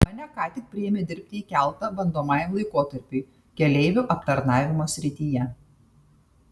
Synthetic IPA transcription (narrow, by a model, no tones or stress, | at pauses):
mɑnʲɛkɑːt̪ʲɪk̚pʲɾʲɪjɛmʲɪd̪ʲɪɾʲpʲt̪ʲɪiːkʲæˑlˠˑt̪ɐbɐnd̪oːmɑːjɛmlˠɐɪkoːt̪ɐɾʲpʲiː | kʲɛlʲeɪʋʲʊʔɐpt̪ɐɾnɑːʋʲɪmoːsʲɾʲɪt̪ʲijɛ